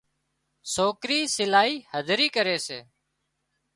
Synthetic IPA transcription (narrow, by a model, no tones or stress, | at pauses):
soːkɾiːsɪlaːiːhəd̪ʱɾiːkəɾeːsḛː